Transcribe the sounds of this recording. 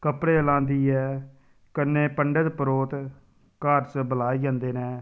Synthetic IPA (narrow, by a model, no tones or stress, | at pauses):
kəpɽeːlãːnd̪iːɛː | kənːẽːpəɳɖət̪pəɾoːt̪ | kaːɾt͡ʃbəlaːiːd͡ʒãːnd̪eːnɛː